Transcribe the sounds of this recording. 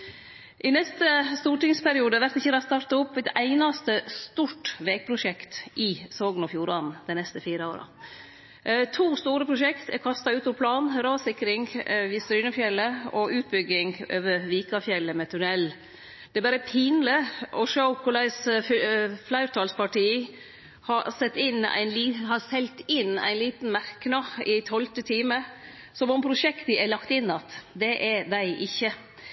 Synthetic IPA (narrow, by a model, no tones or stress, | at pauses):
ʔɪnɛst̪əst̪uːʈɪŋspʰæɾɪuːd̪əʋæɾt̪ɪçːəlɑst̪ɑɾt̪ɑʊpːɛt̪æɪnɑst̪əst̪uʈʋɛːɡ̚pʰɾʊʂɛkt̪ʔɪsoːɡnɔfjuːɾɑn̩d̪ɛɪnɛst̪əfiːɾəo̰ːɾɑ̰ | t̪ʰuːst̪uːɾəpʰɾʊʂɛkt̪ɛ̰kʰɑst̪ɑʉːt̪ɔpʰlɑːnɾɑːsɪkɾɪŋʋɪːst̪ɾyːnəfjɛlːəɔʔʉːt̪̚bʏɡɪŋø̰ːʋəɾʋiːkɑfjɛlːəmɛt̪ʰʉnɛlː | d̪̥ɛbɑːɾəpʰiːnləɾɔʃokʰʊlæɪs | flæɪʉɾt̪ʰɑːlspɑʈiː | hɑsɛt̪ːɪnæ̰ɪnliːhɑsɛlt̪ɪnːæ̰ɪnliːt̪n̩mæɾknɑɪt̪ʰɔlt̪ət̪ʰiːmə | sɔmɔmpʰɾʊʂɛkt̪əɛlɑkt̪ɪnːɑt̪d̪ɛʔɛd̪æɪʔɪçːə